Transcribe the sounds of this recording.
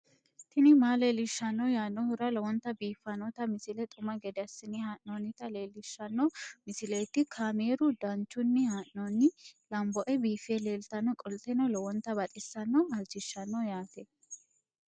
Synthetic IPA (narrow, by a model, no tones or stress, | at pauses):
t̪ʰɪnɪmaːleːlɪʃːɐnːɔjaːnːɔhʊɾɐlɔwɔnt̪ːɐbiːfːɐnɔt̪ɐmɪsɪlɛt̪ʼʊmɐɡɛd̪ɛɐsːɪnɪhaːʔnɔnːɪt̪ɐle̞ːlːɪʃːɐnːɔmɪsɪleːt̪ːɪkʰaːme̞ːɾʊd̪ɐnt͡ʃːʊnːɪhaːʔnɔnːɪlɐmbɔʔɛbiːfele̞ːlt̪ɐnːɔkʼɔlt̪ɛnɔlɔwɔnt̪ːɐbɐt̪ʼɪsːɐnːɔɐld͡ʒɪʃːɐnːɔjaːt̪ɛ